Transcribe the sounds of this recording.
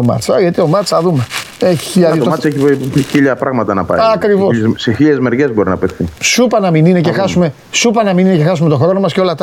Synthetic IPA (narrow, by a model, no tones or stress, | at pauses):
omɐ̰t̪t͡sɐʝɐt̪io̞mɐt͡sɐðume̞ | eçi̥çiʎɐðimɐt͡seçiçiʎɐpɾɐɣmɐt̪ɐnɐpɐ̰ɐkɾivo̞sseçiʎezme̞ɾʝe̞zbo̞ɾinɐpet̪θisupɐnɐminine̞cexɐsume̞ | supɐnɐmininecexɐs̬ume̞t̪o̞xɾo̞no̞mɐsceo̞lɐt̪